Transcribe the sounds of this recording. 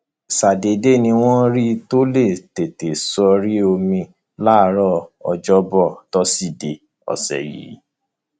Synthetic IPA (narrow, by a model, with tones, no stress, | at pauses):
sa˨de˨de˦˨nĩ˧w̃ɔ̃˦ɾi˦to˦le˦˨te˨te˨sɔ˧ɾi˦o˧mĩ˧ | la˦˨˦ɾɔ˦˨ɔ̰˧d͡ʒɔ˦bɔ˦˨tɔ˦si˦˨de˨ | ɔ̰˨sɛ̰˨jḭ˨˦